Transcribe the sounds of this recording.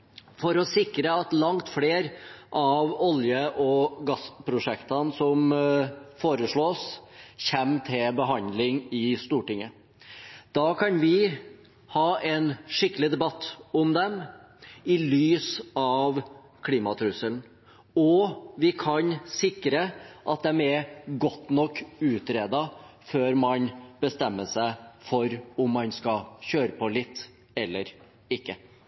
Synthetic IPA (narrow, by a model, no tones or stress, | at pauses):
fɔɾɔsɪkɾəɑt̪lɑŋt̪fleːɾʔɑʋɔljəʔɔɡɑspʰɾʊʂɛkt̪ɑnsɔm | foːɾəʂɭoːsçɛmːt̪ʰɪlbəɦɑnd̪lɪŋɪst̪uːʈɪŋːə | d̪̥ɑːkʰɑnʋɪ | hɑːʔɛnʂɪkːəlɪd̪ɛbɑt̪ːɔmd̪ɛm | ɪlyːsɑʋ | kʰliːmɑt̪ʰɾʉsəln̩ | ɔʋɪkʰɑɲsɪkɾəʔɑt̪̚d̪ɛmɛɾɡɔt̪ːnɔkːʉːt̪ɾeːd̪ɑføːɾmɑnb̥əst̪ɛmːəʂæɪfɔɾʊmːɑnskɑɕøːɾəpʰɔlɪt̪ː | ɛlːəɾ | ɪkːə